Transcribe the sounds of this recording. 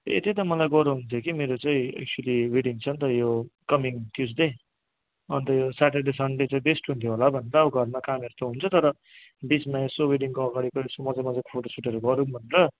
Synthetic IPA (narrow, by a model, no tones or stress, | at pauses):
ḛt̪et̪ʌmʌlajɡʌɾuɦunt̪ʰjokimeɾot͡saĩḛk̚t͡sualiweɽiŋt͡sʰʌnt̪ʌjokʌmiŋʈʰjusd̪e | ʌnt̪ʌjosaʈeɖesʌɳlet͡saĩbesʈɦunt̪ʰjoɦolabʱʌneɾʌuɡʱʌrmakameɾt̪oɦunt͡sʰʌt̪ʌɾʌ | bit͡smajosoweɽiŋkoʌɡaɽikʌsomʌd͡zamʌd͡zakpʰoʈosuʈeɾʌɡʌɾubʱʌneɾʌ